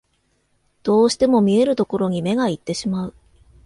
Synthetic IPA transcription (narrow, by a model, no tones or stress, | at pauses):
d̪̥o̞ːɕi̥t̪e̞mo̞mʲie̞ɾɯ̟t̪o̞ko̞ɾo̞ɲ̟ime̞ɡait̪ːe̞ɕimaɯ̟